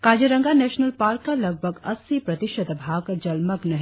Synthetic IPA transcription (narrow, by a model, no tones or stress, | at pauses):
kaːd͡ʒɐɾɐ̃ŋɡanɛːʃnəlpaːɾkːalɐɡ̚bʱəɡɐ̰sipɾɐt̪ɪʃəd̪bʱaːɡd͡ʒɐlmɐknɐɦ